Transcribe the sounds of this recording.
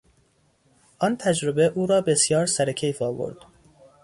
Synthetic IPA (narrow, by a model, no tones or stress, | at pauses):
ʔɒnt̪ʰæd͡ʒɾobe̞ʔuːɾɒːbe̞sjɒːɾsæɾecʰejfɒːvo̞̰ɾd̪̥